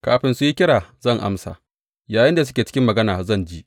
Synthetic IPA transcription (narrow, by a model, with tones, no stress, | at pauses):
kaː˨ɸɪ˨nsu˦ji˦kʲɪ˦ɽaː˨zɐ˦˨ŋʔa̰˦msa̰˨ | jaː˨jɪ˦nda˨s̬ʊ˦kʲeː˨t͡ʃɪ˦ɪ˦mːɐ˨ɡɐ˦naː˨zɐ˦˨nd͡ʒiː˦ʔ